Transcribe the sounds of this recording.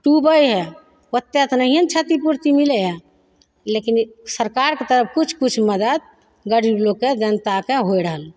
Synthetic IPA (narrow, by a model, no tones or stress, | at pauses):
ʈubəjɦɛ | ət̪ːet̪nəɦiənt͡ʃʰət̪ipuɾt̪imileɦɛ | lekinsəɾkaɾket̪əɾəp̚ʰkut͡ʃʰkut͡ʃʰməd̪əd̪̚ | ɡəɽibloked͡ʒənt̪akeɦojɾəɦəl